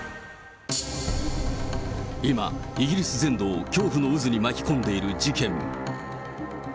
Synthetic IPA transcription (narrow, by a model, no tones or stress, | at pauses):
ima̰iɡʲiɾʲisɨzẽ̞nd̪o̞ːkʲo̞ːɸɯ̟no̞ɯ̟zɨɲ̟imakʲi̥kõ̞nd̪e̞iɾɯ̟d͡ʑikẽ̞ŋ